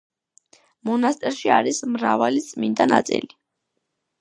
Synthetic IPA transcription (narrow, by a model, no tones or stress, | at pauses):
mɔnast̪ʼɛɾʃiaɾismɾavalit̪sʼmind̪ana̰t̪sʼḭli